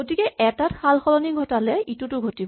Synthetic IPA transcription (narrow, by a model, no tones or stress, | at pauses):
ɡotikɛʔɛtatxalxɔlɔniɡʱɔtalɛitʊtʊɡʱotibɔ